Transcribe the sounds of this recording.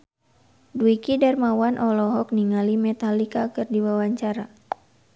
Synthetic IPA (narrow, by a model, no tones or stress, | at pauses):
duikidɛrmawanʔɔlɔɦɔk̚niŋalimɛt̪alikakɨrdiwawaɲt͡ʃaɾa